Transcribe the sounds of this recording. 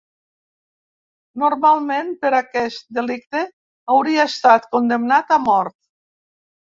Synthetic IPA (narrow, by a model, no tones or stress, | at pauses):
noɾmalˠmenpeɾakɛst̪̚d̪elik̚t̪e | awɾiaest̪at̪kond̪emnat̪amɔɾt̪̚